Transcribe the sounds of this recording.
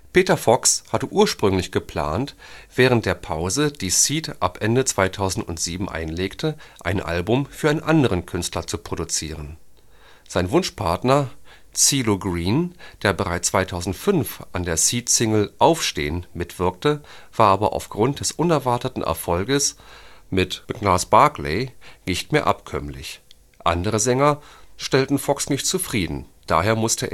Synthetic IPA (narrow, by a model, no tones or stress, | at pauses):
pʰeːtɐfɔkshatəʔuːɐʃpʁ̥ʏŋlɪçɡ̥əpʰl̥a̰ːntv̥ɛːʁ̞ənt̚d̥eːɐpʰaʊzəd̥iːsiːtʔa̰pʔɛndət͡sv̥aɪtʰaʊzn̩tʊ̰ntz̥iːbm̩ʔa̰ɪnleːktʰəʔaɪnʔa̰lbʊmfyːɐaɪnənʔandəʁənkʰʏnstlɐt͡supʁ̥odut͡siːʁən | z̥aɪnvʊnʃpʰaɐtnɐ | t͡siːloɡʁiːnd̥eːɐbəʁaɪt͡st͡sv̥aɪtʰaʊzn̩tfʏnfʔandeːɐsiːtsɪŋl̩ʔaʊfʃtḛːənmɪtv̥ɪɐk̚təv̥aːɐʔaːbɐʔa̰ʊfɡ̥ʁʊnt̚d̥ɛsʔʊnɛɐvaɐtətn̩ʔɛ̰ɐfɔlɡəsmɪtb̥əɡ̥laːsb̥aɐklḛɪnɪçtmeːɐʔa̰pkʰœ̰mlɪ̰ç | ʔa̰ndəʁəzɛŋɐʃtɛltn̩fɔksnɪçtt͡sufʁ̥iːdn̩d̥a̰ːɦeːɐmʊstʰəʔḛː